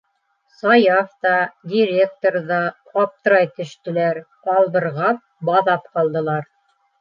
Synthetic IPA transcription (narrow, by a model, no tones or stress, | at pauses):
sɑjɑft̪ɑdʲiɾʲek̚t̪oɾðɑqɑp̚t̪ɤ̆ɾɑjt̪ɵ̆ʃt̪ɘ̆læɾ | ɑlˠbɤ̆ɾʁɑp̚bɑðɑp̚qɑlˠd̪ɤ̆lˠɑɾ